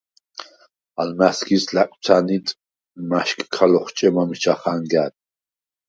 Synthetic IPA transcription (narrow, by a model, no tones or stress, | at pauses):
almæskʰislakʼt͡s̪ʰanit̪ʼ | maʃkʼkʰalɔχt͡ʃʼɛmamiʃʰaχaŋɡæd̪ʼ